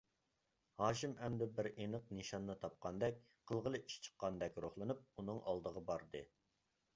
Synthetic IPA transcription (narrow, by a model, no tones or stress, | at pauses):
hɑːʃimɛmd̪ɪbɪɾenəq̚nɨʃɑnːɨt̪ʰɑp̚qɑnd̪ɛk̚ʲ | qʰəlˠʁəlˠɨʔiʃt͡ʃʰə̥qːɑnd̪ɛkʲɾoχlˠɨnup̚unɨŋʔɑ̰lˠd̪əʁɑbɑɾd̪ɨ